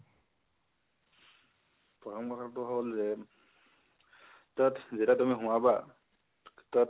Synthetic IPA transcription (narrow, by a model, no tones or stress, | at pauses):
pɔtʰɔmkɔtʰaɔtʊɦolzɛ | tatzitatumiɦʊ̃waba | tɔt